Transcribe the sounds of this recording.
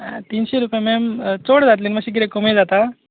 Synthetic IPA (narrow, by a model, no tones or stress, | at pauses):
t̪inɕeɾupjemɛmt͡soɽd͡zat̪linimaɕiɡiɾekomed͡zat̪a